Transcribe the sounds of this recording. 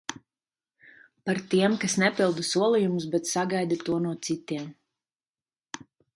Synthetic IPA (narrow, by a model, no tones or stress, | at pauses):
paɾt̪iɛmkasnɛpilˠd̪usuɔlˠijumus̬bɛt̪saɡajd̪at̪uɔnuɔt̪sit̪iɛm